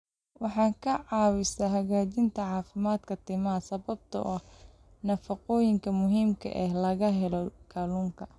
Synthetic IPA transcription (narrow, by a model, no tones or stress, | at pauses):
wɑħɑːŋkʰɐʕɑːwɪsɐɦɐɣaːt͡ʃɪnt̪ʰɐʕɑːfɪmaːd̪kʰɐt̪ʰɪmɐɐsɐβɐb̚t̪ʰɐ̰ʔɐh | nɐfɐqɔːjɪŋkʰɐmʊɦiːmkʰɐ̰ʔɛhlɐɣɐɦɛlɔkʰɐluːŋkʰɐ